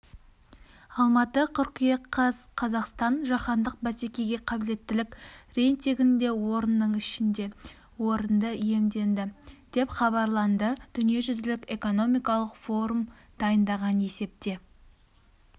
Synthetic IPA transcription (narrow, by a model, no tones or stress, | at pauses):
ɑlˠmɑt̪əqʰʏɾqijeɑzqʰɑzɑqst̪ɑnʒɑχɑnd̪əq̚bæse̞kʲe̞jɡʲe̞qʰɑbɪle̞t̪ːɪlɪkʲre̞jnt̪iɡʲɪnd̪e̞wo̞ɾənːəɴɪʃɪnd̪e | wo̞ɾənd̪əije̞md̪e̞nd̪ɪd̪̥e̞pχɑβɑɾlˠɑnd̪əd̪̥ʏnije̞ʒʏzd̪ɪlɪkeko̞no̞mijkɑlˠəqfo̞ɾum | d̪̥ɑjənd̪ɑʁɑne̞se̞p̚t̪e̞